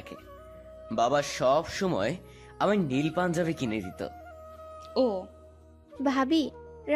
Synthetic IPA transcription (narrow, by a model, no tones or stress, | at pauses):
kʰḛ | babaʃɔbʃɔmɔe | amanilpand͡ʑabekined̪it̪o̰ | o | bʱabiɾ